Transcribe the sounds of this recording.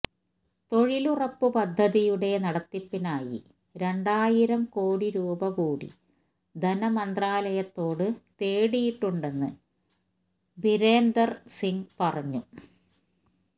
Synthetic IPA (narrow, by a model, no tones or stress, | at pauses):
t̪o̞ɻilurɐpːɨpɐd̪ʱːɐðijuɽe̞nɐɽɐt̪ːipːinaːjḭ | ɾe̞ɳɖaːjiɾɐmkoːɽiɾuːbɐkuːɽḭ | d̪ʱɐnɐmɐnd̪raːlɐjɐt̪ːo̞ːɽɨt̪eːɽijiʈːuɳɖe̞nːɨ̰ | biɾe̞ːnd̪ɐrsiŋpɐrɐɲːu